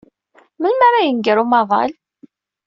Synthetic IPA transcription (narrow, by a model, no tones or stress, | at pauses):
məlmaɾajənɡəɾumɑðˤɑ̰l